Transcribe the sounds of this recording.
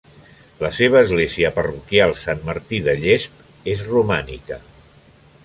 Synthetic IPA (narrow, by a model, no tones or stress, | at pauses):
ləseβ̞əːzɣleziəpərukjalˠsanməɾt̪iðəʎesp | ezrumanḭkə